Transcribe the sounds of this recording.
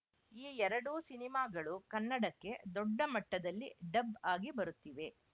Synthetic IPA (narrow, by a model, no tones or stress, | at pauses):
iːɛɾɐɽuːsinimaːɡɐɭukɐnːɐɽɐkːe̞d̪ɔɖːɐmɐʈːɐd̪ɐlːiɖɐbaːɡibɐɾut̪ːiʋe̞